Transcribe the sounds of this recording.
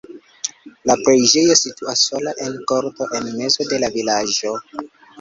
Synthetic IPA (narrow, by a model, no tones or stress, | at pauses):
lapɾejd͡ʒe̞jo̞situasːo̞laʔe̞nko̞ɾto̞ʔe̞nme̞zo̞de̞lavilad͡ʒo̞